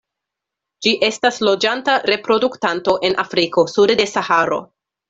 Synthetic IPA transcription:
d͡ʒiʔe̞staslo̞d͡ʒantaɾe̞pɾo̞duktanto̞ʔe̞nʔafɾiko̞sudde̞sahaɾo̞̰

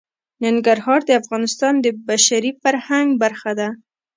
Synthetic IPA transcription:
nɪŋɡaɾhɑɾd̪əafɣɑnɪst̪ɑnd̪əbaʃaɾifaɾhaŋɡbaɾxad̪a

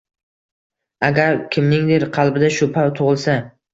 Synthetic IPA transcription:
aɡʲaɾkʲʰɪmnɪŋd̪eɾqʰɑlˠbɪd̪aʃʊpʰawt̪ʰʊʁɨlˠsa

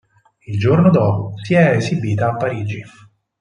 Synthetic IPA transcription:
ild͡ʒornod̪ɔːposiɛezibiːt̪aːpːaɾiːd͡ʒi

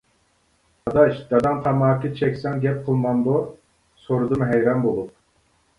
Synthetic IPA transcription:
ɑd̪ɑʃd̪̥ɑd̪ɑnt̪ʰɑmɑːkʰʲit͡ʃʰɛkʲsɛŋɡʲɛp̚qʰəlˠmɑnd̪o | soɾud̪ɨmɦɛjɾɑnbolˠup̚

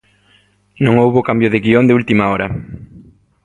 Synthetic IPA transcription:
nõŋowβokambjʊðɪɣiond̪eult̪imaɔɾɐ

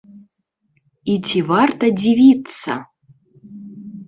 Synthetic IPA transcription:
itʲʰivart̪ɐd͡zʲivʲit͡sːɐ̰

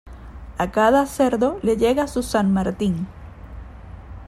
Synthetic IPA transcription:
akaðase̞ɾðo̞le̞ʝe̞ɣasusanmaɾt̪iŋ

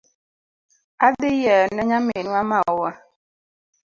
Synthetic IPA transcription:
adejɛnɛɲamenuamaɔwa

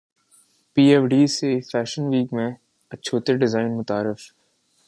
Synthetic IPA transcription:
piːɛːfɖiːsefɛːʃənʋiːkmẽ | ɐtːʃʰoːt̪eɖɪzaːɪnmʊt̪aːɾɪf

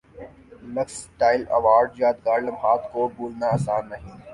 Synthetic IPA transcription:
lɐksʈaːɪlɐ̰ʋaːɾɖjaːt̪ɡaːɾlɐmɦaːt̪koːbuːlnaːsaːnːɐɦĩː

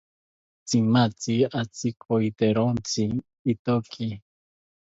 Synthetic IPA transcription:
t͡simat͡siat͡sikʰʼojt̪eɾont͡siː | t̪okʰi

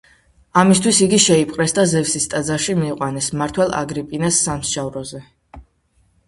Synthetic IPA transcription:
amist̪ʰwisiɡiʃɛipʼqʼɾɛsd̪azɛvsist̪ʼad̪zaʃimiːqʼwanɛsmaɾt̪ʰwɛlˠa̰ɡɾipʼinasːamsʃavɾɔzɛ

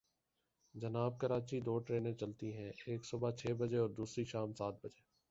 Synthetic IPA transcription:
d͡ʒɐnaːb̚kəɾaːt͡ʃid̪oːʈɾeːnẽt͡ʃɐlt̪iɦɛ̃ːeːksʊbat͡ʃʰeːbəd͡ʒeɔːɾd̪uːsɾiʃaːmsaːt̪̚bəd͡ʒeː

